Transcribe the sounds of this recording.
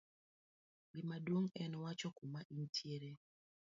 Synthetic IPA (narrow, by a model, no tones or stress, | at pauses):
ɡimadwoŋɛnwat͡ʃɔkumaʔintʰjeɾe